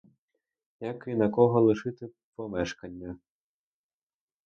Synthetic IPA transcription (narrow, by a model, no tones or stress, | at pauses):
jakinɐkɔɦɔlˠɪʃɪt̪ɪ | pɔmɛʃkɐnʲːɐ